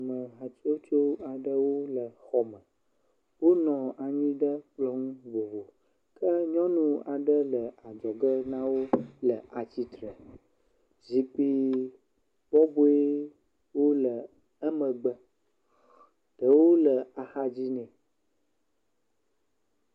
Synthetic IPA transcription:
nɔ̃˨ɦa˨t̪i˦wo˦t̪i˦wo˦a˨ɖə˦wo˦lə˨xɔ˦mə̃˨ | wo˦nɔ̃˨a˨ɲĩ˦ɖə˦k͡plɔ˦ŋũ˦vo˨vo˨ | kʰə˦ɲɔ̃˦nũ˦a˨ɖə˦lə˨a˨d͡ʒɔ˨ɡə˦nã˦wo˦lə˨ʔa˨t͡ɕi˦t̪ɾə˨ | zi˨k͡pi˦ | b̥ɔ˦bo˦e˦ | wo˦lə˨ | ə˦mə̃˨ɡ͡bə˦ | ɖ̥ə˨wo˦lə˨a˨xa˦d͡ʑi˦nɛ̃˨

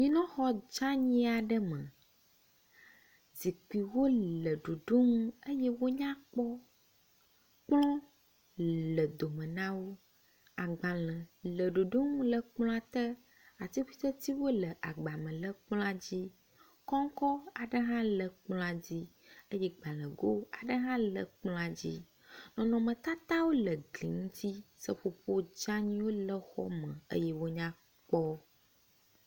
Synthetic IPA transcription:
ɲĩ˦nɔ̃˦xɔ˦d͡ʒa˦ɲĩ˦a˨ɖə˦mə̃˨ | zi˨k͡pi˨wo˦lə˨ɖo˨ɖo˦ŋũ˦ə˦jɛ˦wo˦ɲã˦k͡pɔ˦ | k͡plɔ̃˦ | lə˨d̪o˨mə̃˨nã˦wo˦ | a˨ɡ͡bã˨lə̃˨lə˨ɖo˨ɖo˦ŋũ˦lə˨k͡pl̃ɔ̃˦a˨t̪ə˦ | a˨t̪i˦ɸi˦t̪ə˦t̪i˦wo˦lə˨ʔa˨ɡ͡ba˨mə̃˨lə˦k͡plɔ̃˦a˦d͡ʑi˦ | kɔ˦ŋ˦kɔ˦a˨ɖə˦ɦã˦lə˨k͡plɔ̃˦a˨d͡ʑi˦ | ə˦jɛ˦ɡ͡ba˨lə̃˨ɡo˦a˨ɖə˦ɦã˦lə̰˨k͡plɔ̃˦a˨d͡ʑḭ˦ | nɔ̃˨nɔ̃˨mə̃˨t̪a˦t̪a˦wo˦lə˨ɡlḭ˨ŋũ˦t̪i˦sə˦ɸo˨ɸo˦d͡ʒa˦ɲĩ˦wo˦lə˦xɔ̰˦mə̃˨ə̰˦jɛ˦wo˦ɲã˦ | k͡pɔ˦

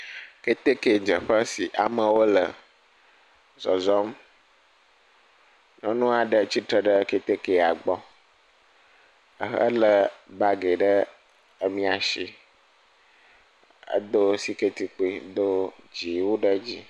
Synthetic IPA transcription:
ke˦t̪e˦ke˨d͡ʒə˨ɸə˦si˨ʔa̰˨mə̃˨wo˦lə̰˨ | zɔ˨zɔ˦m | nɔ̃˦nũ˦a˨ɖə˨t͡ɕi˦t̪ɾə˦ɖə˦ke˦t̪e˦ke˨a˨ɡ͡bɔ˦ | ə̰˨ɦə̰˦lə˨ba˦ɡe˨ɖə˦ | ə˦mĩ˦a˨ʃi˨ | ə̰˦d̪o˦si˦ke˦t̪i˨k͡pe˦d̪o˦d͡ʒi˨wo˦ɖə˦d͡ʑi˦

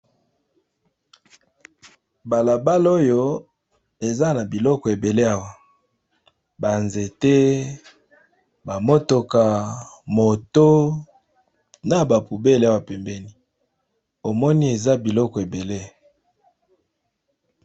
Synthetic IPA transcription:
ba˨la˨ba˦lo˦jo˦ | e˨za˦na˨bi˨lɔ˦kɔ˨e˨be˨le˦a˦wa˨ | ba˨nze˨te˦ | ba˨mo˦to˨ka˨mo˨to˦ | na˨ba˨pu˨be˦la˦wa˦pɛ˨mbɛ˦ni˦ | o˨mɔ˦ni˦e˨za˦bi˨lɔ˦kɔ˨e˨be˨le˦

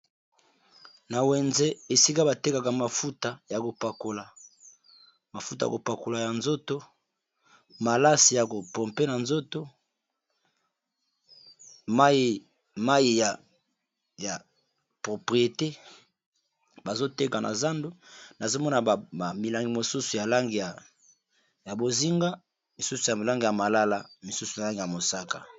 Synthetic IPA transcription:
na˨wɛ˨nze˦e˨si˦ka˦ba˨te˦ka˨ka˨ma˨fu˦ta˨ja˨ko˨pa˨ko˨la˨ | ma˨fu˦ta˨ja̰˨ko˨pa˨ko˨la˨ja˨nzo˦to˦ | ma˨la˦si˨ja˨ko˨pɔ˨mpe˦na˨nzo˦to˦ | ma˦˨ | ma˦ji˨ja˨ | ja˨ | pʁo˨pʁi˨je˨te˦ | ba˨zo˦te˦ka˨nʔa̰˨za˦ndu˦na˨zo˦mɔ˦na˨a˨mi˨la˨ŋɡi˨mo˨su˦su˨ja˨la˦ŋɡi˨ja˨ | ja˨bo˨zi˦ŋɡa˦ | mi˨su˦su˨ja˨la˦ŋɡi˨ja˨ma˨la˦la˨mi˨su˦su˨ja˨la˦ŋɡi˨ja˨mo˨sa˦ka˨

